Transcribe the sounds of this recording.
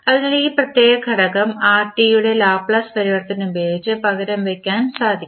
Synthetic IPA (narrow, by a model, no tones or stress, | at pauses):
ɐðinɐliːprɐt̪je̞ːɣɐkʰɐɽɐkːɐmaːrʈːijuɽe̞laːbpɭɐspɐɾiʋɐɽɐt̪ːɐnnumbeːdit͡ɕːɨpɐɣɐɾɐmʋekʲːaːnsaːd̪ʱikː